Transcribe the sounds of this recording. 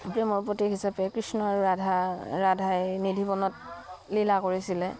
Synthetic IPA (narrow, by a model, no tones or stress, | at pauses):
pɹemɔɹpotiɦisapɛkɹisnɔɹadʱaɹadʱajnidʱibɔnɔtlilakoɹisilɛ